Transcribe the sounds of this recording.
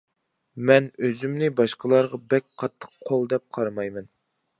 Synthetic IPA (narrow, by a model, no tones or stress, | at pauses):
mɛnøzymnɪbɑʃqʰəlˠɑɾʁɑbɛk̚ʲqʰɑt̪ʰːə̥qʰːolˠd̪ɛp̚qʰɑɾmɑjmɛn